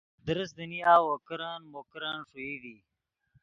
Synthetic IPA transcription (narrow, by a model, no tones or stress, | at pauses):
d̪əɾəsd̪əniaːwokɾanmokɾaːnʂuid̪i